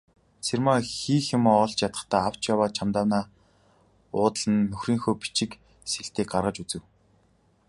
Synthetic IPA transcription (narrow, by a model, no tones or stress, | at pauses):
t͡sʰermaːxiːxɪ̆mːɔɮt͡ɕjat̪ə̥̆χt̪aːaw̥t͡ɕjawaːt͡ɕʰamt̪aːwnaː | ʊːt̪ɮə̆nːɵxriːŋxoːpi̥t͡ɕɪ̆k | seɬt̪eːk̚ɢarʁə̆t͡ɕut͡sɘ̆w